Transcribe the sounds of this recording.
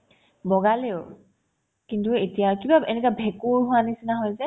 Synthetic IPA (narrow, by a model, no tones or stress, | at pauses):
bɔɡaleʊ | kintuetijakibaenɛkabʱɛkuɹɦʊwanisinaɦɔjzɛ